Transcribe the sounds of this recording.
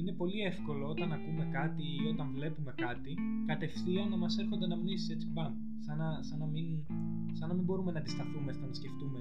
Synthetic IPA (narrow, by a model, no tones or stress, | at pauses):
ine̞po̞lie̞fko̞lo̞o̞t̪ɐnɐkume̞kɐt̪iio̞t̪ɐɱvle̞pume̞kɐt̪i | kɐt̪e̞fθionːɐmɐse̞ɾxo̞nd̪e̞nɐmnisise̞t͡si̥pɐn | sɐnɐsɐnɐmin | sɐnɐmimbo̞ɾume̞nɐd̪ist̪ɐθumest̪ɐnɐsce̞ft̪ume̞